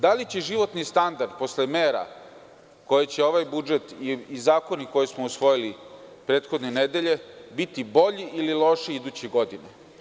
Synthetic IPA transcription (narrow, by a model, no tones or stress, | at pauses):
d̪alit͡ɕeʒiʋo̞t̪nist̪and̪aɾd̪̚po̞slemeːɾa̰ | ko̞jet͡ɕeo̞ʋajbud͡ʒet̪iizaːko̞niko̞jesmousʋo̞jilipɾe̞ːt̪xo̞d̪nened̪e̞ʎe̞bit̪ibo̞ʎiʔililo̞ʃiid̪uːt͡ɕeɡo̞d̪ine